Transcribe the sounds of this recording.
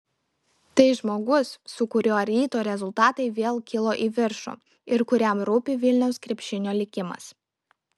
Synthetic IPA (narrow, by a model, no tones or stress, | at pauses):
t̪ɐɪʒmoːɡʊsːʊkʊɾʲoːɐɾʲiːt̪oːɾʲɛzʊlˠt̪ɑːt̪ɐɪʋʲeːlˠkʲɪlˠoːʔiːʋʲɪɾʃo̰ː | ɪɾkʊɾʲɛmɾʊpʲɪʋʲɪlʲnʲɛʊskɾʲɛpʲʃʲɪnʲoːlʲɪkʲɪmɐ̰s